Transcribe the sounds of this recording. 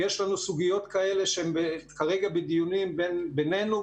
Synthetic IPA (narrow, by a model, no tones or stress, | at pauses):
jeʃlanusuɡijo̞t̪kae̞leʃeembekaʁeɡabed̪ijunimbenbene̞jnu